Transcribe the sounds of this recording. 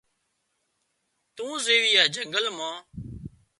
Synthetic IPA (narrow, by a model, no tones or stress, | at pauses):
t̪ũːzeːʋɪjaːd͡ʒʱəŋɡəlmãː